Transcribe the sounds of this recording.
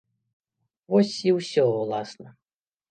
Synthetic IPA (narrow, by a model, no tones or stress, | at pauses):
vɔsʲiwsʲɔwlˠasnɐ